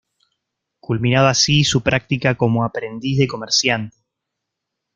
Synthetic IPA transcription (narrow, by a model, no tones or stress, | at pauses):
kulmĩnaðasisupɾak̚t̪ikako̞moapɾe̞nd̪izðe̞ko̞meɾsjant̪e